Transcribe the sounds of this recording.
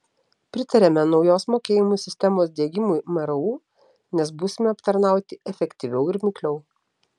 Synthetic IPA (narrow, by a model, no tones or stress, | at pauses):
pʲɾʲɪt̪ɐɾʲɛmʲɛnɒʊjoːsmoːkʲeːjɪmuːsʲɪsʲt̪ʲɛmoːsd̪ʲeːɡʲɪmʊɪmɐɾɐuː | nʲɛs̬buːsʲɪmʲɛɐpt̪ɐɾnɑˑʊt̪ʲɪʔɛfʲɛkʲt̪ʲiʋʲɛʊɪɾʲmʲɪkʲlʲɛʊ